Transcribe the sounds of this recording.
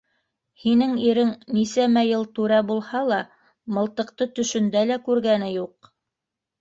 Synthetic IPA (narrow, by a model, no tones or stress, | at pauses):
hinɘŋiɾɘŋnisæmæjɤlˠt̪ʉɾæbulˠhɑlˠɑ | mɤ̆lˠt̪ɤ̆q̚t̪ɤt̪ɵ̆ʃɵ̆nd̪ælækʉɾɡænɘjuq